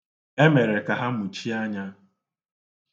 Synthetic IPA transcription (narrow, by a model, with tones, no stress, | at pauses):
e˦me˨ɾe˨ka˨ɦa˦mʊ˨t͡ʃi˦a˦ɲa˦